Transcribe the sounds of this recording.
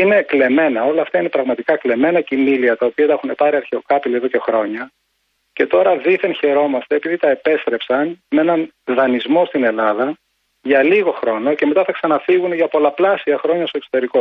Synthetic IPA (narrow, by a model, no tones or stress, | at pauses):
ine̞kle̞me̞nɐo̞lɐːft̪ɐine̞pɾɐɣmɐt̪ikɐkle̞me̞nɐcimiliɐt̪ɐopiɐt̪ɐxune̞pɐɾiɐɾçeokɐpilieðo̞ce̞xɾo̞ɲɐ | ce̞t̪o̞ɾɐðiθençe̞ɾo̞mɐst̪eːpiðit̪ɐepe̞st̪ɾe̞psɐnmeenɐn | ðɐnizmo̞st̪ine̞lɐðɐ | ʝɐliɣo̞xɾo̞no̞ce̞me̞t̪ɐθɐksɐnɐfiɣuneʝɐpo̞lɐplɐsiɐxɾo̞ɲɐst̪oso̥t̪e̞ɾiko